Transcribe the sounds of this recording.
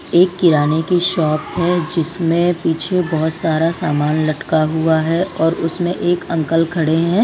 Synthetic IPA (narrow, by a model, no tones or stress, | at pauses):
eːkːɪɾaːnekiʃɔːpɦɛd͡ʒɪsmẽpiːt͡ʃʰebɔɦʊt̪saːɾasaːmaːnlɐʈkaɦuaɦɛʔɔːɾʊsmẽʔeːkɐ̃ŋkəlkʰɐɽeɦɛ̃ː